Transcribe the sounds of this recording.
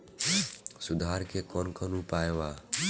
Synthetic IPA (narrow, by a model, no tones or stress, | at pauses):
sud̪ʱaɾkekɔnkʰənupaeba